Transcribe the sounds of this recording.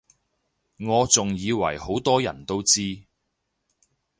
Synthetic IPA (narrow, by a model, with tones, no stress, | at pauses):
ŋɔː˨˧t͡sʊ˨ŋjiː˨˧wɐ̰˨˩jho˨˥wt̪ɔː˥jɐ̰˨˩nt̪o˥wt͡siː˥